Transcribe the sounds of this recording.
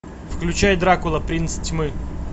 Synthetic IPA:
fklʲʉt͡ɕajd̪ɾakʊlˠəpɾʲinstʲmɨ

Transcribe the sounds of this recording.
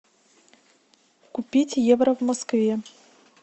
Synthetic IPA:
kupʲitʲjevɾɐvmoskvʲe

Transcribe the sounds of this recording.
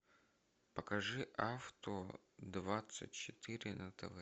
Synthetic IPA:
pəkɐʐɨʔaft̪o | d̪vat̪sɨ̰tʲt͡ɕɪt̪ɨɾʲɪnɐt̪ɐva

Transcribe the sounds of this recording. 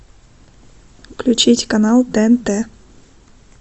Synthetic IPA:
klʲʉt͡ɕitʲkɐnalˠt̪ɛɛnt̪ɛ

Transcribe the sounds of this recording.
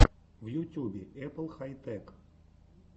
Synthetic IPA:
ʋjutʲubʲɪɛplˠxajt̪ɛk

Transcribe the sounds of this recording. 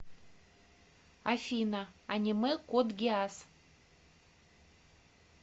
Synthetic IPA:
afʲinɐanʲimɨkod̪ɡʲɪas

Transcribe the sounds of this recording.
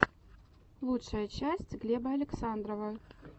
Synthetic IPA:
lˠutʂəjət͡ɕæsʲtʲɡlʲebəɐlʲɪksand̪ɾəvə

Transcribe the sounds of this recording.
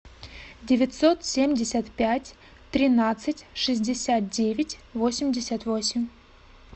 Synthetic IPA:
dʲɪvʲɪt̪so̞t̪sʲemʲdʲɪsʲət̪pʲætʲ | t̪ɾʲɪnat̪sɨtʲʂɨzʲdʲɪsʲat̪̚dʲevʲɪtʲvo̞sʲɪmʲdʲɪsʲət̪vosʲɪmʲ

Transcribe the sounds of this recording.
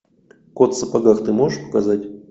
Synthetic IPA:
kot̪səpaɡaxt̪ɨmoʐɨʂpə̥kazatʲ

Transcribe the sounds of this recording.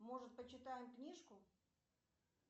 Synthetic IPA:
moʐɨt̪̚pət͡ɕɪt̪ajɪmknʲiʂkʊ

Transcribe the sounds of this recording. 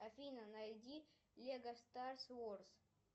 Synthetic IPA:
ɐfʲinɐnɐjdʲi | lʲeɡɐst̪arsvors

